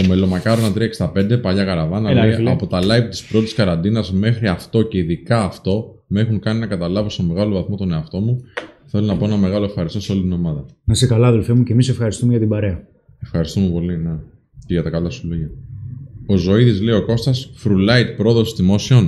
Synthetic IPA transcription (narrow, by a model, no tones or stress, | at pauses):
ome̞lo̞mɐkɐɾo̞nɐt̪ɾiɐekst̪ɐpe̞nd̪e̞pɐʝɐɣɐɾɐvɐnɐiɐpo̞t̪ɐlɐjvt̪ispɾo̞t̪i̥skɐɾɐnd̪inɐzme̞xɾiɐft̪o̞ce̞iðikɐːft̪o̞ | me̞xuŋkɐninɐkɐt̪ɐlɐvoseme̞ɣɐlo̞vɐθmo̞t̪o̞ne̞ɐft̪o̞muθe̞lo̞nɐpo̞e̞nɐme̞ɣɐlo̞efxɐɾist̪oseo̞lit̪ino̞mɐðɐnɐsekɐlɐːðelfemucemisefxɐɾist̪umeʝɐt̪ibɐɾe̞ɐ | e̞fxɐɾist̪ume̞po̞line | ceʝɐt̪ɐkɐlɐsuloʝɐ | o̞zo̞iðizleio̞ko̞st̪ɐsfɾulɐit̪̚pɾo̞ðo̞sizðimo̞sio̞n